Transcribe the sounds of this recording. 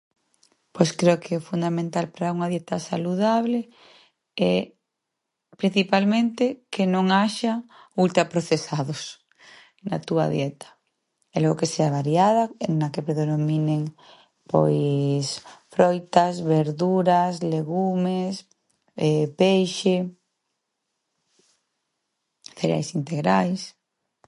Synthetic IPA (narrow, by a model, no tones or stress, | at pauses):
pojskɾeokʰeofund̪amẽnt̪alpaɾauŋaðjɛt̪asa̰luð̞aβle | ɛ | pɾin̟θipalmẽnt̪ekenõŋaʃa | ult̪ɾapɾoθesaðos | na̰t̪ua̰ðjɛt̪ḁ | ɛloɣokeseaβaɾjaðanakepɾeðenomineŋ | po̰jsfɾojt̪azβeɾðuɾasleɣumes | ɛpejʃe | θeɾḛa̰jsint̪eɣɾajs